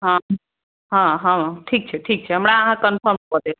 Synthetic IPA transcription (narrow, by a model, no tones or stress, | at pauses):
ɦã | ɦãɦããʈʰik̚t͡ʃʰɛʈʰiːk̚t͡ʃʰeɦəmɽ̃aəɦãkənfʰəɾmkɔɾd̪e